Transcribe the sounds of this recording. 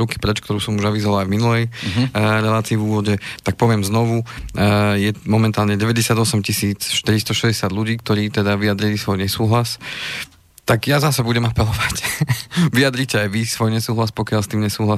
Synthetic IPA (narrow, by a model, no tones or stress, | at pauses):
ɾuki̥pɾɛt͡ʃkt̪ɔɾuːsɔmuʒaʋizɔʋalajvminulɛj | ɾɛlaːt͡siːvuːʋɔɟɛt̪ak̚pɔʋɪɛmznɔʋu | jɛmɔmɛnt̪aːlɲɛɟɛʋɛɟɛsɪad̪ɔsɛmcisiːt͡sʃt̪iɾist̪ɔʃɛzɟɛsɪad̪ʎuɟiːk̚t̪ɔɾiːt̪ɛd̪aʋijad̪ɾilisʋɔjɲɛsuːɦlas | t̪aɡjazasɛbuɟɛmapɛlɔʋac | ʋijad̪ɾicɛajʋisʋɔjɲɛsuːɦlaspɔkɪalst̪iːmɲɛsuːɦla